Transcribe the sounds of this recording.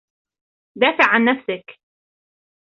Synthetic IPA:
d̪aːfɪʕʕanːafsak

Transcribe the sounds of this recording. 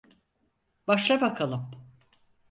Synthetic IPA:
baʃlˠabakʰalˠɯm

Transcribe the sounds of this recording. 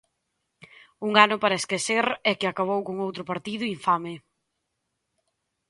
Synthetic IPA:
uŋanʊpaɾɐeskeseɾɛkɪakaβ̞owkoŋowt̪ɾʊpaɾt̪iðʊiɱfamɪ

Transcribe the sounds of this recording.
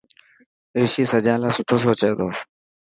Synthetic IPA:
eːʃiːsəd͡ʒãːlãːsʊʈʰoːs̬oːt͡ʃeːd̪oː

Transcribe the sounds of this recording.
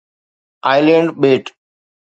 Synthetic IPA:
aːɪlẽɳɖɓeːʈ

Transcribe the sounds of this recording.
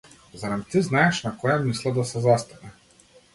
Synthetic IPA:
zaɾamt̪iznajɛʃnakɔjamislˠad̪asɛzast̪anɛ

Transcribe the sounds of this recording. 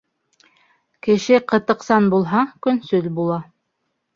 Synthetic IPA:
kɘ̆ʃɘqɤ̆t̪ɤ̆qsɑnbulˠɦɑkɵ̆nsɵlbulˠɑ

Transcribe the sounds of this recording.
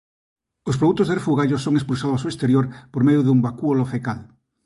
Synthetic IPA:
osp̬ɾoðukt̪ozðerefuɣaʎosoŋespuls̬aðʊasuest̪eɾjoɾpoɾmeðjoðumbakuolofekal

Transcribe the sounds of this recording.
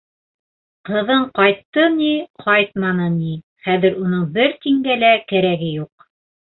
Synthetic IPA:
qɤ̆ðɤɴqɑjt̪ːɤniqʰɑjt̪̚mɑnɤni | χæðɘ̆ɾunɤɴbɘɾt̪iŋɡælækæɾæɡɘjuq̚

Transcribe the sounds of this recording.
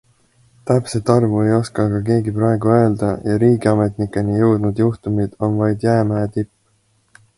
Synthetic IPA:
t̪æpset̪ːɑrvue̞jo̞skɑɡɑk̬e̞ːɡipɾɑe̞ɡ̥uø̞ːld̪̥ɑjɑɾiːɡiɑme̞t̪nikːˑenijɤwd̪nud̪̥juht̪umid̪̥o̞nvɑjd̪̥jæːmæet̪ipː

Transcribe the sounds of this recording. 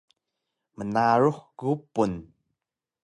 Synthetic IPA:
mənaɹuħɡupun

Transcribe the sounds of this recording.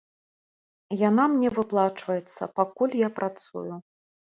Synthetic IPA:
janamnʲɛvɨplˠat͡ʂvɐjɛt̪sːɐ̰pakulʲjapɾat̪sṵju

